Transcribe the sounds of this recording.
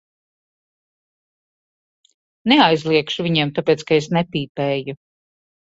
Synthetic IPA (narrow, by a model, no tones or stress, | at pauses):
neajzlˠiɛkʃuvʲiɲɛɛmt̪apeːt̪skaes̬nepiːpɛːju